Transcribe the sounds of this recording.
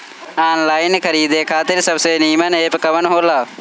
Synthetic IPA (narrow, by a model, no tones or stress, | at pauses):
aːnlaːɪnkʰəɾiːd̪eːkʰaːt̪ɪɾsəbseːniːmənɦeːpkəʋənɦoːlaː